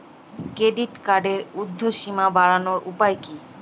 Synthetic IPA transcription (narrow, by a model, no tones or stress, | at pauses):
kɾeɖiʈkaɖeɾud̪ʱːoʃimabaɾanoɾʔupajki